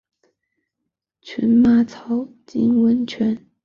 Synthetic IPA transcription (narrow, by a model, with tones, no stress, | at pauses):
t͡ɕʰɛ̰˧˥nma˥˩t͡sʰɑ˧˥ʊ | t͡ɕi˥nwə˧˥nt͡ɕʰɥɛ˧˥n